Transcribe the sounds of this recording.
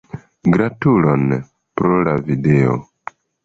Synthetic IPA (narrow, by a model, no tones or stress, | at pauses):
ɡɾatulon | pɾolavideo̰